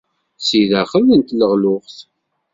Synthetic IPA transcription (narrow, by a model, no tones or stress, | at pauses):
siðæχəlːənt̪ləʁlʊʁθ